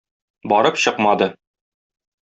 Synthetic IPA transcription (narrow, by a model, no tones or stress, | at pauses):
bɒɾɤpɕɤqmɑd̪ɤ